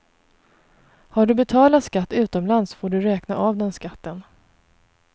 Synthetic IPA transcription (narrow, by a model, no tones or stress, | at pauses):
haɖɵbɛt̪ʰɑːlat̪skat̪ːʉ̟ːt̪ɔmlansfoːɖɵɾɛːkna̰ʔavd̪ɛnskat̪ːən